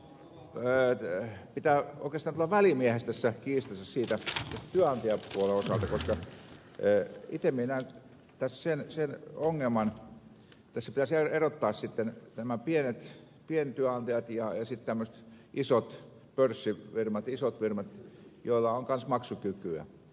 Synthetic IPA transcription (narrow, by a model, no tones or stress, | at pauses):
əːpit̪æːo̰ikˑest̪ɑnt̪ulɑʋælimiehest̪æsːækiːst̪ɑsɑssiːt̪æt̪æst̪æt̪yøɑnt̪ijɑpuoleosɑlt̪ɑkoskɑ | it̪emienæˑin | t̪æssensenoŋːelmɑn | t̪ːæsːæpit̪æseerot̪ːɑːssit̪ːennæmæpienet̪ | pient̪yøɑnt̪ɑjɑt̪jɑjɑsit̪t̪æmːøst̪ | ʔisot̪ | pørsːiʋirmɑt̪isot̪ʋirmɑt̪joilːɑoŋkɑnsmɑksukykyæ̰